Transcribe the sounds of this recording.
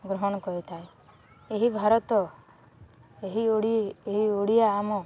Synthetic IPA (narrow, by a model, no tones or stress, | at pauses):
ɡɾɔɦɔɽ̃ɔkɔɾit̪ʰae | eɦibʱaɾɔt̪ɔ | eɦioɽieɦioɽijaːmɔ